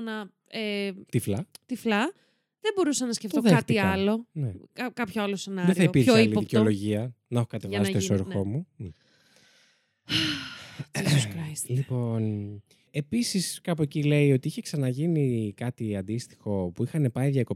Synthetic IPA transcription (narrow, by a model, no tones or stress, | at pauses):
nɐ | et̪iflɐt̪iflɐ | ðebo̞ɾusɐnɐsceftt̪oðeɐxt̪iɐɐlo̞nekɐkɐpçoɐlose̞nɐðɾeθɐiopiɾoilioiceolo̞ʝiɐ | nɐexokɐt̪evɐsst̪isoɾxo̞mun | sɾɐjslipo̞n | e̞pisiskɐpoecile̞io̞t̪iiçe̞ksɐnɐʝinikɐt̪iɐnd̪ist̪i̥xo̞puixɐne̞pɐiðjɐko̞